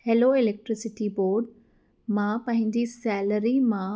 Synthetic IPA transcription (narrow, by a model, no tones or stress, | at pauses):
heloɪlek̚ʈɾɪsɪʈiboːɾɖ | mãpɐ̃ɦɪ̃nd̪isɛːləɾimã